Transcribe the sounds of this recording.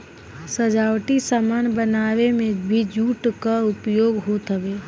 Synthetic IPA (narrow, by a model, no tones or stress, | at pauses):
səd͡ʒaːwʈisamaːnbənaːʋemẽbʱid͡ʒuːʈkaʊpjoːɡɦoːt̪əbeː